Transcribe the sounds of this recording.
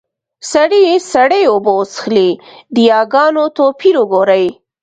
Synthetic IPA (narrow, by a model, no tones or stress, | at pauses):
saɽisaɽejobosxled̪əjɑɡɑnot̪opʰiɾʊɡoɾaj